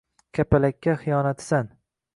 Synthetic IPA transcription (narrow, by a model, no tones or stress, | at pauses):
kʲʰapʰalakʲʰːaχɪjɒnat̪san